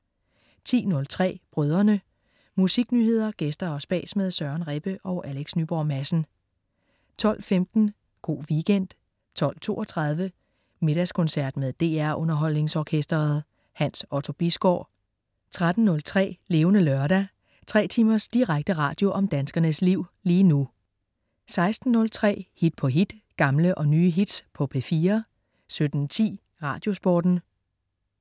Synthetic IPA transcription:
t͡sʰḭːnɔ̽lt͡sʰʁɛ̰ːb̥ʁœð̞ˠɐnə | musiɡ̥nyhe̝ð̞̰ˠɐɡ̥esd̥ɐɒ̽sb̥ɛ̰ːsmeð̞ˠsɶɐnʁeb̥əʔɒʊʔæleɡ̥snyb̥ɒːmæsn̩ | t͡sʰɒ̽l̰femd̥n̩ | ɡ̥o̝̰ːʋiɡ̥en̰d̥ | t͡sʰɒ̽l̰t͡sʰo̝̰ːɒt͡sʰʁɑ̈ð̞ˠʋə | me̝ɾ̥æskʰɔ̽nsæɐd̥meðˠd̥e̝̰ːæɐ̰ʔɔ̽nɐɦɒ̽l̰ne̝ŋsɒkʰesd̥ɐð̩ˠ | hænsɒt͡sʰo̝b̥isɡ̥ɒ̰ː | t͡sʰʁad̥n̩ːɔ̽lt͡sʰʁɛ̰ːle̝ːʊnəlœɐɾæ | t͡sʰʁɛ̰ːt͡sʰimɐsd̥iʁaɡ̥̚d̥əʁɑ̰̈ːd̥jo̝ʔɒ̽md̥ænsɡ̥ɐnəsliʊ̰liːnu | sɑ̈ɪsd̥n̩ːɔ̽lt͡sʰʁɛ̰ːhid̥̚pʰɒ̽ɦid̥ɡ̥ɑ̈mləʔɒ̽nyːɦid̥spʰɒ̽pʰe̝fiːɐ | sød̥n̩t͡sʰḭː | ʁɑ̰̈ːd̥jo̝sb̥ɒ̰ːd̥n̩

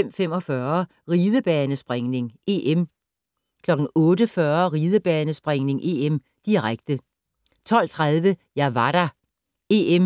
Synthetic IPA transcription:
em̰fem̰ɒ̽fɶɐ | ʁiːð̞ˠəb̥ɛːnəsb̥ʁeŋne̝ŋʔeʔem | kʰlɒ̽ɡ̥ŋ̩ɔ̽ːdəfɶɐʁiːð̞ˠəb̥ɛːnəsb̥ʁeŋne̝ŋʔe̝em | d̥iʁaɡ̥d̥ə | t͡sʰɒ̽l̰t͡sʰʁað̞ˠʋəjɑʋɑ̈ɾ̥ɑ | e̝em

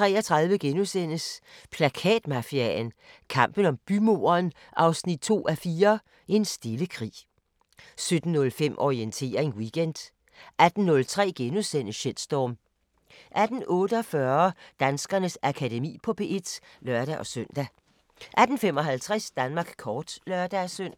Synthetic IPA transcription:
t͡sʰʁɛ̰ːɒt͡sʰʁɑ̈ðˠʋəɡ̥enusen̰əspʰlækʰɛ̰ːd̥mɑ̈fiæn | kʰɑ̈m̰b̥ən̩ɒ̽mb̥ymo̝ːɐːn | ʔɑ̈ʊsnid̥̚t͡sʰo̝̰ːʔæfiːɐ | ʔe̝nsd̥e̝ləkʰʁḭː | sød̥n̩ːɔ̽lfem̰ʔɒient͡sʰe̝̰ːɐe̝ŋwiɡ̥end̥ | ʔæd̥n̩ːɔ̽lt͡sʰʁɛ̰ːɡ̥enuðˠsen̰əɕel̰sd̥ɒːm | ʔæd̥n̩ʔɔ̽ːɾəɒfɶɐd̥ænsɡ̥ɐnəsækʰædemḭːpʰɒ̽b̥ʰe̝ʔed̥lɶɐɾ̥æʔɒ̽søn̰d̥æ | ʔæd̥n̩fem̰ɒ̽ɦælt͡sʰʁɛsd̥ænmɑ̈ːɡ̥kʰɒːd̥lœɐd̥æsøn̰

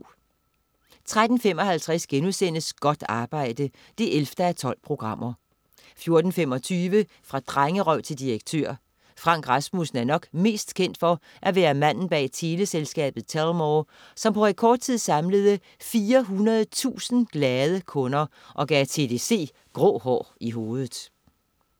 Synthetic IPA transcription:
t͡sʰʁad̥n̩femɒ̽hælt͡sʰʁæsɡ̥enusen̰əsɡ̥ɒ̽d̥ɑ̈ːb̥ɑ̈ɪ̰d̥ə | d̥e̝ʔelfd̥əæt͡sʰɒ̽l̰pʰʁo̝ɡ̥ʁɑ̈m̰ɐ | fjo̝ɐd̥n̩femɒ̽t͡sʰyːʋə | fʁɑ̈d̥ʁaŋəʁœʊ̰t͡sʰe̝ld̥iʁeɡ̥̚t͡sʰø̰ɐ̰ | fʁɑ̈ŋ̰ɡ̥ʁɑsmusn̩æɐnɒ̽ɡ̥me̝̰ːsd̥kʰen̰d̥fɒ̽ | ʔæʋæːɐmæn̰n̩b̥ɛ̰ːt͡sʰe̝ːləselsɡ̥ɛ̰ːb̥ð̩ˠt͡sʰælmɒ | sɒ̽mpʰɒ̽ʁekʰɒːd̥̚t͡sʰið̞̰ˠsɑ̈mləð̞ˠə | fiːɐɦunɐðˠt͡sʰṵːsn̩ɡ̥lɛːð̞ˠəkʰɔ̽nɐ | ʔɒ̽ɡ̥ɛt͡sʰe̝ːd̥e̝se̝̰ː | ɡ̥ʁɔ̰ːhɒ̰ːiɦo̝ːð̞ˠð̩ˠ

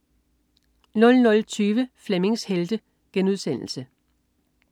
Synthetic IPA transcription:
nɔ̽lnɔ̽lt͡sʰyːʋəfleme̝ŋsheld̥ə | ɡ̥enuðˠsen̰l̩sə

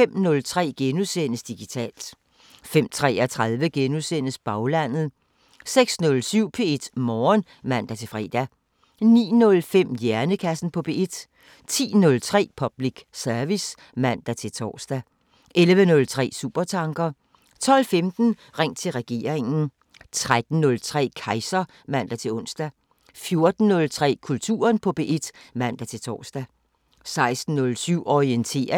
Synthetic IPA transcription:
fem̰nɔ̽lt͡sʰʁɛ̰ːɡ̥enusen̰əsd̥iɡ̥it͡sʰɛ̰ːld̥ | fem̰t͡sʰʁɛ̰ːæt͡sʰʁaðˠʋəɡ̥enusen̰əsb̥ɑ̈ʊlæn̰ð̩ˠ | seɡ̥snɔ̽lsyʊ̰pʰe̝e̝d̥mɒːn | mæn̰d̥æt͡sʰe̝fʁɛ̰ːd̥æ | nḭːnɔ̽lfem̰jæɐnəkʰæsn̩pʰɔ̽b̥e̝e̝d̥ | t͡sʰḭːnɔ̽lt͡sʰʁɛ̰ːpʰɒ̽b̥liɡ̥sæɐʋis | mæn̰d̥æt͡sʰe̝lt͡sʰɒ̰ːsd̥æ | ʔelʋənɔ̽lt͡sʰʁɛ̰ːsuːb̥ɐt͡sʰɑ̈ŋɡ̥ɐ | t͡sʰɒ̽l̰femd̥n̩ʁeŋ̰t͡sʰe̝lʁɛɡ̥e̝̰ːɐ̰eŋn̩ | t͡sʰʁad̥n̩nɔ̽lt͡sʰʁɛ̰ːkʰɑ̈ɪsɐ | mæn̰d̥æt͡sʰe̝lɔ̽n̰sd̥æ | fjo̝ɐd̥n̩ːɔ̽lt͡sʰʁɛ̰ːkʰult͡sʰṵːɐnpʰɒ̽b̥e̝ʔed̥mæn̰d̥æt͡sʰe̝t͡sʰɒ̰ːsd̥æ | sɑ̈ɪsd̥n̩ːɔ̽lsyʊ̰ɒiənt͡sʰe̝̰ːɐ

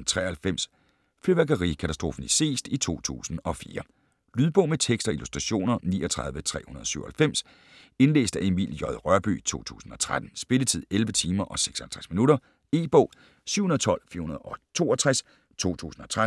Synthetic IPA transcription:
t͡sʰʁɛ̰hælfem̰s | fleʋæɡ̥ɐʁikʰæt͡sʰæsd̥ʁo̝ːfn̩ise̝̰ːsd̥it͡sʰo̝̰ːt͡sʰṵːsn̩ɒ̽fiːɐ | lyð̞ˠb̥ɔ̽ʊ̰met͡sʰeɡ̥sd̥ɐilusd̥ʁɑ̈ɕo̝̰ːnɐnḭːɒ̽t͡sʰʁɑ̈ð̞ˠʋət͡sʰʁɛ̰ːhunɐðˠɒ̽syʊ̰ɐhælfem̰s | e̝nle̝̰ːsd̥æenʋḭljɒðˠʁɶɐb̥y̰ːt͡sʰo̝̰ːt͡sʰṵːsn̩ɒ̽t͡sʰʁad̥n̩sb̥e̝lət͡sʰið̞̰ˠelʋət͡sʰiːmɐʔɒ̽se̥ɡ̥sɒ̥hæl̩t͡sʰʁasminuɾɐ | e̝̰ːb̥ɔ̽ʊ | sy̰ʊ̰hunɐð̩ˠt͡sʰɒ̽l̰fḭɐhunɐðˠɒ̽t͡sʰo̝̰ːɒt͡sʰʁas | t͡sʰo̝̰ːt͡sʰṵːsn̩ɒ̽t͡sʰʁa

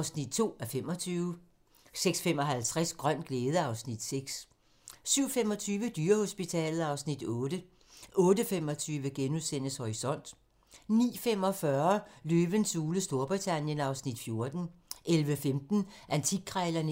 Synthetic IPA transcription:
ʊsnid̥̚t͡sʰo̝̰ːæɐfem̰ɒ̽t͡sʰyːʊ | seɡ̥sfemɒ̽ɦælt͡sʰʁasɡ̥ʁɶn̰ɡ̥leːð̞ˠəɑ̈ʊsnid̥seɡ̥s | syʊ̰fem̰ɒ̽t͡sʰyːʋəd̥yːɐho̝sb̥it͡sʰɛ̰ːlð̩ˠɑ̈ʊsnid̥ɔ̽ːd̥ə | ʔɔ̽ːdəfemɒ̽t͡sʰyːʋəɡ̥enuðˠsen̰əshɒʁisɒ̽n̰d̥ | nḭːfem̰ɒ̽fɶɐløːʋənsuːləsd̥o̝ɐb̥ʁit͡sʰænjənɑ̈ʊsnid̥fjo̝ɐd̥n̩ | ʔelʋəfemd̥n̩ʔænt͡sʰi̥kʰʁaɪlɐn

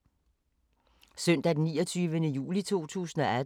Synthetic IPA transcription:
søn̰d̥æd̥nːḭːɒt͡sʰyːʋənəjṵːlit͡sʰo̝̰ːt͡sʰṵːsn̩ɒ̽æ

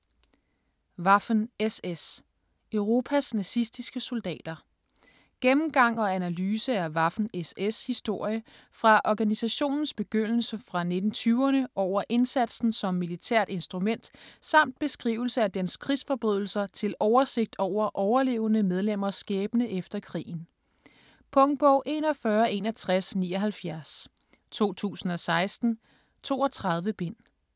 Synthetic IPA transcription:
ʋɑ̈fn̩eses | øʊʁo̝ːpʰæsnæsisd̥isɡ̥əso̝ld̥ɛ̰ːd̥ɐ | ɡ̥emm̩ɡ̥ɑ̈ŋ̰ɒ̽ænælyːsəæɐʋɑ̈fn̩eseshisd̥o̝ɐ̰jə | fʁɑ̈ʔɒɡ̥ænisæɕo̝̰ːnn̩sb̥e̝ɡ̥øn̰l̩səfʁɑ̈ne̝d̥n̩t͡sʰyːʊɐnəʔɒʊ̰ɐʔe̝nsæd̥sn̩sɒ̽mːilit͡sʰæɐ̰d̥e̝nsd̥ʁumen̰d̥sɑ̈m̰d̥̚b̥e̝sɡ̥ʁḭːʊl̩səæd̥enskʰʁisfɒ̽b̥ʁyð̞̰ˠl̩sɐt͡sʰe̝lɒʊɐse̝ɡ̥̚d̥ɒʊ̰ɐʔɒʊɐle̝ːʊnəmeð̞ˠlem̰ɐsɡ̥ɛːb̥ənəʔefd̥ɐkʰʁḭːn̩ | pʰɔ̽ŋb̥ɔʊ̰ʔe̝ːnɒ̽fɶːɐe̝nɐt͡sʰʁasnḭːɒ̽ɦælfjæɐs | t͡sʰo̝̰ːt͡sʰṵːsn̩ɒ̽sɑ̈ɪsd̥n̩ | t͡sʰo̝̰ːɒ̽t͡sʰʁɑ̈ð̞ˠʋəb̥e̝n̰

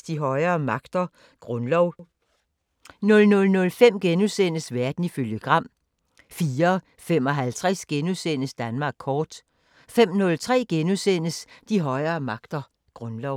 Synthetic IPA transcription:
sd̥iɦɒ̽ɪɐːmɑ̈ɡ̥d̥ɐ | ɡ̥ʁɔ̽nlɒʊ̰ | nɔ̽lnɔ̽lnɔ̽lfem̰ɡ̥enusen̰əsʋæɐd̥n̩iføljəɡ̥ʁɑ̈m̰ | fiːɐ | fem̰ɒ̽ɦælt͡sʰʁɛsɡ̥enusen̰əsd̥ænmɑ̈ːɡ̥̚kʰɒːd̥ | fem̰nɔ̽lt͡sʰʁɛ̰ːɡ̥enusen̰əsd̥iɦɒ̽ɪɐːmɑ̈ɡ̥d̥ɐ | ɡ̥ʁɔ̽nlɒʊ

